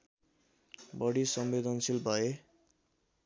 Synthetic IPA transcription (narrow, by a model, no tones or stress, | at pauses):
bʌɽisʌmbed̪ʌnsilbʱʌe